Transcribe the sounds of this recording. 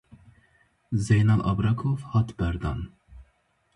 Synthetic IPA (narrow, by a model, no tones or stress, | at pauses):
zejnɑlʔɑ̰bɾɑkʰofhɑt̪bæɾd̪ɑ̰n